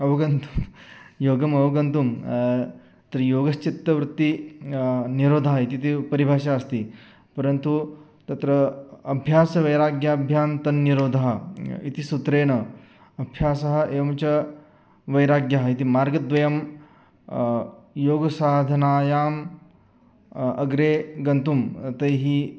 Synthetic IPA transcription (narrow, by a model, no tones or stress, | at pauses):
ɐʋɐɡɐnt̪umjoːɡɐmɐʋɐɡɐnt̪um | t̪ɾɐjoːɡɐst͡ʃit̪ːɐʋɾut̪ːi | niɾoːd̪ʱaɦɐit̪it̪ipɐɾibʱaːʃaːɐst̪i | pɐɾɐnt̪u | t̪ɐt̪ɾɐɐbʱjaːsɐʋɐjɾaːɡjaːbʱjaːnt̪ɐnːiɾoːd̪ʱɐɦɐḭt̪isut̪ɾeːɳɐ | ɐbʱjaːsɐɦɐ̆ʔeːʋɐmt͡ʃɐ | ʋɐjɾaːɡjaɦɐit̪imaːɾɡɐd̪ʋɐjɐm | joːɡɐsaːd̪ʱɐnaːjaːm | ɐɡɾeːɡɐnt̪umt̪ɐjɦi